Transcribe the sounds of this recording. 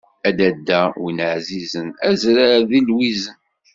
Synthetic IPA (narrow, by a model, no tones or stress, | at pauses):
æd̪æd̪ːæwinʕzizənæzɾaðilwizən